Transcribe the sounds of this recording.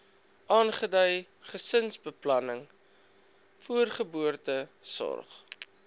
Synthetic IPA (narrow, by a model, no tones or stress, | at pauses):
ʔɑːnχədœj | χəsənsbəplɐnəŋ | fuərχəbuərtəsɔ̰rχ